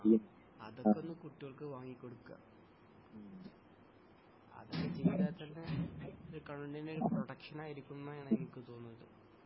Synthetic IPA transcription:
ɐ̰ðokːo̞nːɨkuʈːuɣɐɭkɨʋaːŋːikʲːo̞ɽukːa̰ːm | ɐ̰ðokːet͡ɕiʋiðaːt̪ɐnːeoɾukɐɳuɳɐnilproɽɐkʂɐnaːjiɾikʲːunːɐjaːɳeŋikʲːɨt̪oːnːɨɐðɨ̰

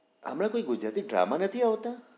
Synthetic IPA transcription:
a̰mɽ̃ãkoiɡʊd͡ʒɾat̪iɖɾa̰manət̪ʰiaʋt̪ã

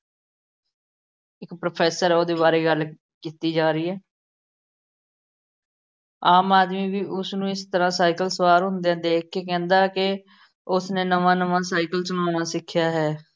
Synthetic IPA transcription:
ɪkpɾopʰɛːsəɾoːd̪eːbaːɾeːɡəl | kiːt̪iːd͡ʒaːɾiːɦɛː | aːmaːd̪mĩːʋiːʔʊsnũːɪst̪əɾãːsaːɪkəlsəʋaːɾɦʊ̃nd̪ejãːd̪eːkʰːeːkɛ̃ːnd̪aːkɪ | ʊsneːnəʋãːnəʋãːsaːɪkəlsənaːʊnãːsɪkʰːjaːɦɛː

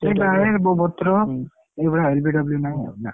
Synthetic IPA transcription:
sebaeɾbɔbɔt̪ɾɔ | ebɔɽaelbiɖɔbljunaja̰na

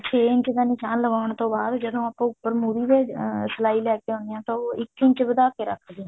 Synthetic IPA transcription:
t͡ʃʰeːɪɲt͡ʃd̪aːnɪʃaːnləɡaːəɳt̪õːbaːd̪d͡ʒəd̪õːaːpãːʊpːəɾmuːɾiːd̪eːsəlaːiːlɛːkeːɦõːnd̪ɪjãːt̪aːoːɪkɪ̃ɲt͡ʃbəd̪aːkeːɾə̰kʰːd̪iãː

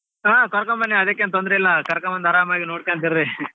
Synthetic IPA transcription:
aːkɔɾɐkːɐmbɐnːiɐðɐkːent̪ɔnd̪ɐɾɐɪlːaːkɐɾɐkːɐmɐnd̪ɐːɾaːmaːkinoːʈkaːnt̪ɪɾðɯ

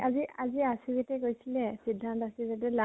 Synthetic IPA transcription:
ʔaziaziasibitɛkojsilɛsidʱːantasibɛtɛla

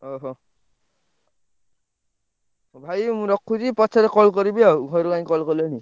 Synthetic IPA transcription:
ɔɦɔ | bʱajmuɾɔkʰːuzipɔtsʰaɾɛkɔlkɔɾibijɔɡʱɔɾukanikɔlkɔlɔni

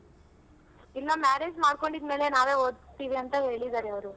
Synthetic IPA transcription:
ilːɐmaːɾeːd͡ʒmaːɖko̞ɳɖid̪me̞ːlenaːʋe̞ːɦoːd̪t̪iːʋiɐnt̪ɐɦe̞ːɭid̪aːɾeɐʋɐɾu

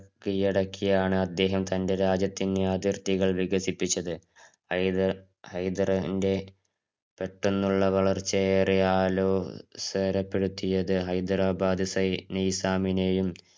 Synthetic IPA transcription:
kːijiɽɐkːijaːɳɨɐd̪ːe̞ːɦɐmt̪ɐnde̞ɾaːd͡ʑjɐt̪ːineaːd̪jɐrt̪iɣɐɭʋiɡɐsipːit͡ɕːɐðɨ | ɐj | hɐjd̪rɐinde̞ | peʈːunːuɭːɐʋɐɭɐrt͡ɕːɐeːriaːlo̞ːseːɾɐpːe̞ɽut̪ːijɐðɨɦɐjd̪rabaːd̪isɐjnɐjisaːmine̞jum

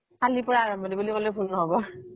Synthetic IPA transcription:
alipɔɹaːɹɔmbʱɔnibulikolebʱulnɔɦɔbɔ

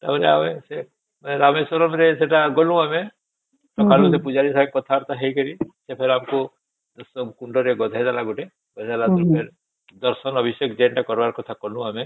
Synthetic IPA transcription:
t̪a̰ɾea̰ʋese | mẽɾamesɔɾɔmɾeseʈaɡɔlũame | ʈɔkʰalũsepud͡ʒaɾisaekɔt̪ʰaɾt̪aɦeikəɾisepʰeɾamko | sɔbkuɳɖɔɾeɡɔd̪ʱajd̪alaɡuʈe | ɡɔt̪alauɾpʰeɾ | d̪əɾsənɔbʱisjekd͡ʒeɳʈakɔɾbaɾkɔt̪ʰakɔlũame

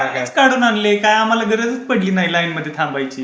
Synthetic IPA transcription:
it͡skaɽuːnanlekajam̤alaɡəɾəd͡zət͡spəɽliːnailajnməd̪ʱːjet̪ʰãmbajt͡ɕiː

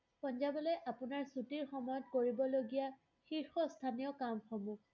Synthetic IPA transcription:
pɔnzabɔlɔjʔapʊnaɹsutiɹxɔmɔjɔtkoɹibɔloɡija | xiɹxɔstʰanijɔkamxɔmu

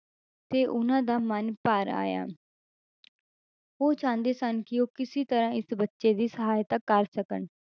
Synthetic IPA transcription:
t̪eːʔʊnãːd̪aːmənpaːɾa̰ːja̰ː | oːt͡ʃãːnd̪eːsənkɪoːkɪsiːt̪əɾãːɪsbətːʃeːd̪iːsəɦaːjt̪akːəɾsəkəɳ

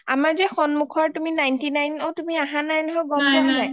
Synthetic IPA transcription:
a̰maɹzɛxɔnmukʰɔɹtuminajntinajnowtumiaɦãnajnɦɔɡɔmnɛɦɔlaj

